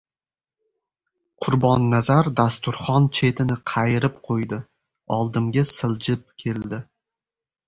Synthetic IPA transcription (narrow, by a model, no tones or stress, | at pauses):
qʰʊɾbɒnːazaɾd̪ast̪ʊɾχɒnt͡ʃʰe̞t̪ʰɪnɪqʰɑjɪɾɪpqʰojd̪ɪ | ɒ̰lˠd̪ɪmɡʲasɪlˠd͡ʒɪp̚kʲʰe̞ld̪ɪ